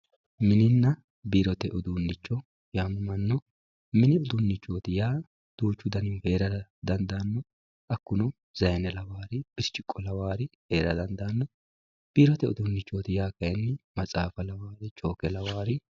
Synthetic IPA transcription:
mɪnɪnːɐ | biːɾɔt̪ɛʔʊd̪uːnːɪt͡ʃːɔ | jaːmɐmɐnːɔ | mɪnɪʊd̪unːɪt͡ʃːoːt̪ɪjaː | d̪̥uːt͡ʃːʊd̪ɐnɪhe̞ːɾɐd̪ɐnd̪aːnːɔ | ɐkːʊnɔ | zɐjɛnɛlɐwaːɾɪb̥ɪɾt͡ʃːɪkʼːɔlɐwaːɾɪhe̞ːɾɐd̪ɐnd̪aːnːɔ | b̥iːɾɔt̪ɛʊ̰d̪ʊnːɪt͡ʃːoːt̪ɪjaːkɐjɛnːɪmɐt͡sʼaːfɐlɐwaːɾɪt͡ʃʼo̞ːkɛlɐwaːɾɪ

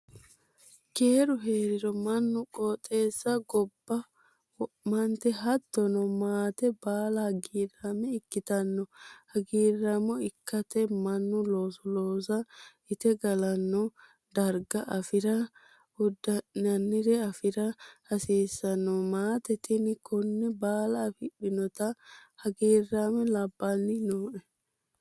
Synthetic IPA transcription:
ke̞ːɾʊɦe̞ːɾɪɾɔmɐnːʊkʼɔːt̪ʼːe̞ːsːɐɡɔbːɐ | mɐnt̪ɛɦɐd̪ːɔnɔmaːt̪ɛbaːlɐhɐɡiːramɛɪkːɪt̪ɐnːɔhɐɡiːrːɐmɔɪkːɐt̪ɛmɐnːʊloːsɔloːs̬ɐ | ɪt̪ɛɡɐlɐnːɔ | d̪ɐɾɡɐʔɐfɪɾɐ | ʊd̪ːɐnɐnːɪɾɛɐfɪɾɐhɐsiːsːɐnːɔmaːt̪ɛt̪ɪnkɔnːɛbaːlɐːfɪɗɪnɔt̪ɐhɐɡiːrːaːmɛlɐbːanːɪnoːʔɛ

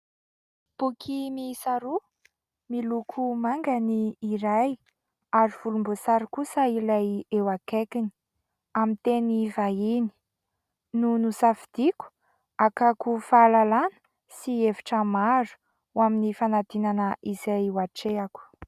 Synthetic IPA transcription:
b̥ukʰimisaɾu | milukʰumaŋɡaniːɾaj | aɾiv̥ulumbosaɾikusəilajewakekini̥ | amint̪enivaini̥ | nunusafid̪̥iku̥ | akakufalalanə̥ | sieviʈ͡ʂəmaɾu̥ | uwaminifanat̪inanəʔizajwaʈ͡ʂeaku̥

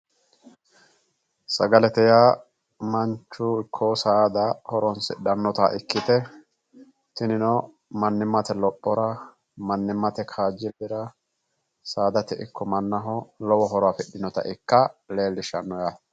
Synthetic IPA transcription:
sɐ̰ɡɐlɛt̪ɛjaː | mɐnt͡ʃːʊɪkʰːɔsaːd̪ɐhɔɾɔnsɪ̰ᶑɐnːɔt̪a̰ʔɪkːɪt̪ɛ | t̪ɪnɪnɔ | mɐnːɪmɐt̪ɛlɔpːɔɾɐ | mɐnːɪmːɐt̪ɛkʰaːd͡ʒːɪlːɪɾɐ | saːd̪ɐt̪ɛʔɪkːɔmɐnːɐɦɔlɔwɔɦɔɾɔafɛɗɪnɔt̪ɐ̰ʔɪkːɐle̞ːlːɪʃɐnːɔja

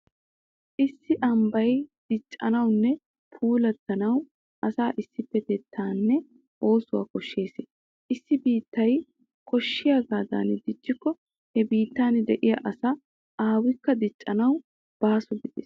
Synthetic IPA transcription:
ʔɪsːɪʔɐmbɐjd̪̥ɪt͡ʃʼːɐ̰nɐwnːɛ | pʰuːlɐt̪ːɐnɐw | ʔɐsaːʔɪsːɪpːɛt̪ɛt̪ʰːaːnːɛ | ʔo̞ːsʊwa̰ːkɔʃːe̞ːsɪ | ʔɪsːɪbiːt̪ːɐj | kɔʃːɪjaːɡaːd̪a̰ːnd̪ɪt͡ʃʼːɪkːɔ | hɛbiːt̪ːaːnd̪ɛʔɪjɐʔɐsɐ | ʔaːwɪkːɐd̪ɪt͡ʃʼːɐnɐw | b̥aːsʊɡɪd̪ḛːs

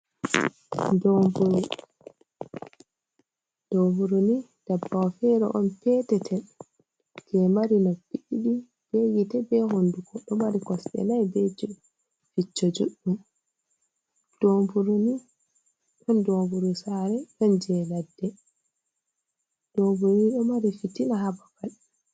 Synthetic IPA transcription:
d͡ʒɔmbuɾu | d̥obuɾuni | d̥abːawfɛɾɔ̰ʔɔnpɛːtɛtʰɛ | kɛmaɾinɔpiʔiɗi | b̥eɡitɛbɛhondukɔɗɔmaɾikɔsɗɛ̰najbed͡ʒɔ | fit͡ʃːɔd͡ʒuɗːum | d̥ombuɾuni | ɗɔnd͡ʒobuɾusaɾɛɗɔnd͡ʒɛladːɛ | d̥ombuɾniɗɔmaɾifitinahabakal

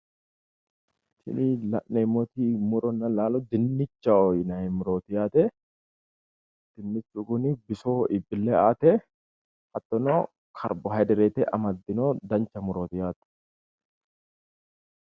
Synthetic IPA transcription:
t̪ʰɪ̰nilɐ̰ʔnɛɪmːot̪iːmʊɾɔnːɐlaːlɔd̪ɪnːɪt͡ʃːɐɔjnɐɛmʊɾoːt̪ɪjaːt̪ɛ | d̪̥ɪnːɪt͡ʃːukʊnɪbɪsoːʔɪbːɪlːeaːt̪ɛ | hɐt̪ːɔnoː | kʰɐ̰ɾbɔɦɐd̪ɪɾeːt̪ɛʔɐmɐd̪ːɪnoːd̪ɐnt͡ʃːɐmʊɾoːt̪ɪjaːt̪ɛ̥

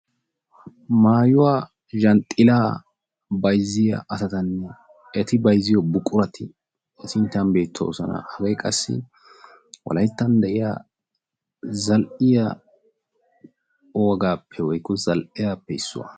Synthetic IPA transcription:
maːjʊwaː | ʒɐnt̪ʼːɪlaː | bɐjzːɪjɐ̰ʔɐsɐt̪ɐnːɛ | ɛt̪ɪbɐjzːɪjɔbʊkʼːʊɾɐt̪ʰɪ | sɪnt̪ːɐnbe̞ːt̪ʰːɔ̰ɔ̰sɐnɐ̰hɐɡɐjkʼɐsːɪ̰ | wɔ̰lɐjt̪ːɐnd̪ɛʔɪja̰ | zɐlʔɪjɐ | ɔwɐɡaːpʰːɛwɔjkːɔzɐlʔɪjaːpːɛɪsːʊwɐ̰

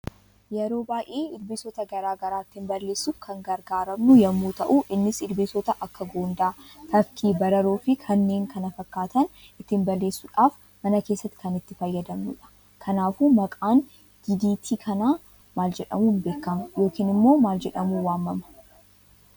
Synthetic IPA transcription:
jɛɾo̞ːbaːjʔeːɪlbeːsɔt̪ɐɡɐɾaːɡɐɾaːɪt̪ːɪmbɐlːe̞ːsːuːfkʰɐŋɡɐɾɡaːɾɐmnʊjɐmːuːt̪ɐʔuʔɪnːɪsɪlbeːsɔt̪ɐʔɐkːɐɡoːnd̪aːt̪ʰɐfkʰiːbɐɾɐɾoːfɪkʰɐnːe̞ːŋkʰɐnɐfɐkːaːt̪ɐn | ɪt̪ːɪmbɐlːeːsːʊᶑaːf | mɐnɐke̞ːsːɐt̪ːɪ̥kɐnɪt̪ːɪfɐjːɐd̪ɐmnʊᶑɐ̥ | kʰɐnaːfuːmɐkʼaːn | ɡ̥ɪd̪iːt̪ʰiːkʰɐnaː | maːld͡ʒɛᶑɐ̰muːnbe̞ːkːɐmɐjo̞ːkiːnɪmːo̞ːmaːld͡ʒɛᶑɐmuwaːmːɐmɐ̥

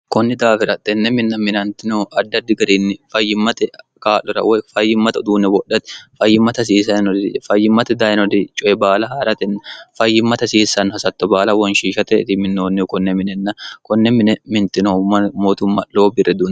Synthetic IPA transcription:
kɔnːɪd̪aːfɪɾɐt̪ːɛnːɛmɪnːɐmɪnɐnt̪ɪnoʔɐd̪ːɐd̪ːɪɡɐɾiːnːɪfɐjːɪmːɐt̪ɛ | kaːlɔɾɐ̰wɛfɐjːɪmːɐt̪ɐd̪uːnɛwɔɗɐt̪fɐjːɪmːɐt̪ɐs̬iːs̬ɐnɔd̪ɪfɐjːɪmːɐt̪ɛd̪ajɪnɔd̪ɪt͡ʃʼɔɛbaːlɐɦaːɾɐt̪ɛnːɐfɐjːɪmːɐt̪ɐsiːsːɐnhɐsɐt̪ːɔbaːlɐwɔnʃiːʃɐt̪ɛt̪ɪmɪnːoːnːɪkɔnːɛmɪnɛnːɐkɔnːɛmɪnɛmɪnt̪ɪnomːɐmoːt̪ʊmːɐlo̞ːbɪrɛd̪uːn

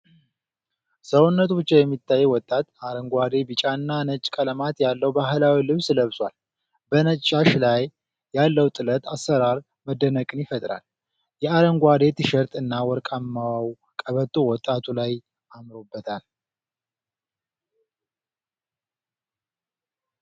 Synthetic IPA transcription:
səwunːət̪ʰubɨt͡ʃːejɛmːit̪ʰːajːɛwɔt̪ʼːat̪aɾəŋɡʷad̪e̞bɨt͡ʃʼaɨnːanət͡ʃʼːkʼələmat̪jalːəwbaɦɨlawilɨβsɨləβswa̰l | bənət͡ʃʼːaʃlajː | alːəwt̪ʼɨlət̪ʰasːəɾaɾ | məd̪ːənəkʼɨnjɪfət̪ʼɾa̰l | jɛaɾəŋɡʷwad̪e̞t̪ʰɨʃəɾt̪ʼɨnːawɔɾkʼamːawaw | kʼəβət̪ʰʼːowɔt̪ʼːat̪ʰulaj | ʔamɾobːət̪ʰal

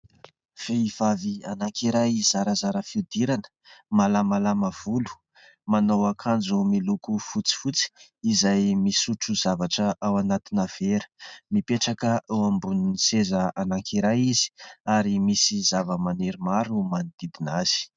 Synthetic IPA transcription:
v̥eiv̥avianaŋkeɾajzaɾəzaɾəfiud̪iɾanə̥ | malamalamav̥ulu̥ | manowakʰand͡zumilukufut͡si̥fut͡si̥izajmisuʈ͡ʂuzavaʈ͡ʂəʔawanat̪inav̥eɾə̥mipeʈ͡ʂakəewambuninisezəanaŋkʰiɾajizi̥aɾimisizavəmaneɾimaɾumanid̪̥id̪inaz̥i̥

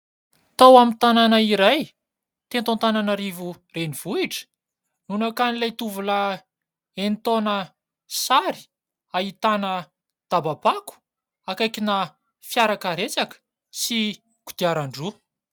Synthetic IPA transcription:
t̪awamit̪ananaiɾaj | t̪ent̪ont̪ananaɾivu | reniv̥uiʈ͡ʂə̥ | nunakanilajt̪uvula | ent̪onə | saɾi̥ | ait̪anə | d̪̥ababaku̥ | akajkina | fjaɾakaɾet͡sakə̥ | si | kud̪̥iaɾaɳɖ͡ʐu

